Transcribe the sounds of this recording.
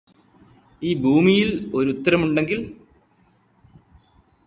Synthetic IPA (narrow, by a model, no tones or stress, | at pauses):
iːbʱuːmijilo̞ɾut̪ːɐɾɐmuɳɖe̞ŋɡil